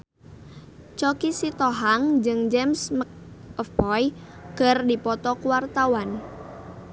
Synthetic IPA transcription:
t͡ʃɔkisit̪ɔɦaŋd͡ʒɨŋd͡ʒɛmsmək̚ɔfbɔj | ɡ̥ərdipɔt̪ɔkuwart̪awan

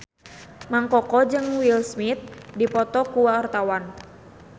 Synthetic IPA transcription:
maŋkɔkɔd͡ʒɨŋwilsmit̪̚dipɔt̪ɔkuwaɔrt̪awan

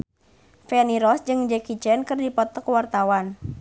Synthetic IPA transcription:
fɛniɾɔsd͡ʒɨŋd͡ʒɛkit͡ʃɛnkɨrdipɔt̪ɔkwart̪awan

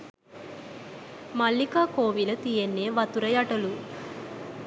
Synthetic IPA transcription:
mɐlːikaːkoːʋilɐt̪ijenːeːʋɐt̪uɾɐjɐʈɐlu

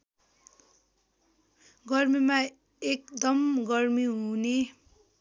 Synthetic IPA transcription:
ɡʌrmima | ekd̪ʌmɡʌrmiɦune

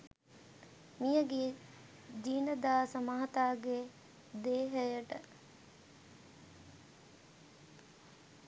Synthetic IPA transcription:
mijəɡeː | d͡ʒ̪iːnəd̪aːsəmaɦɐt̪aːɡe | d̪eːɦəjəʈə

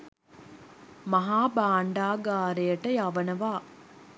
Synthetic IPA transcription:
mɐɦaːbaːɳɖaːɡaːɾejəʈəjaʋɐnəʋaː

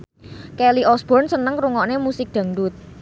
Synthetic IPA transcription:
kɛliʔɔsb̥ɔrnsənəŋkɾuŋɔnemusɪk̚d̪̥ä̤ŋɖut̪̚

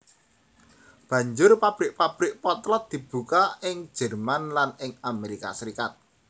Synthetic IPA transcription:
b̥ä̤ɲd͡ʒʊrpab̥ɾɪk̚pab̥ɾɪk̚pɔt̪lɔt̪̚d̪̥i̤b̥ṳkaɪŋd͡ʒʒ̥ɛ̤rmanlanɪŋameɾika̰səɾikat̪̚

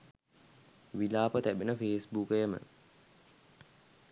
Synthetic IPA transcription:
ʋilaːpət̪æbenəfeːsbukəjəmə̰

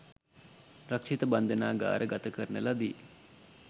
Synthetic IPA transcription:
ɾɐkʂit̪əband̪enaːɡa̰ːɾʔəɡat̪əkəɾnəlad̪iː

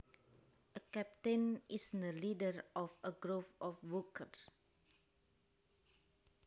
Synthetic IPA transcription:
ʔəkɛp̚tenisndəlidəɹʔɔfəɡɾofɔfwukər

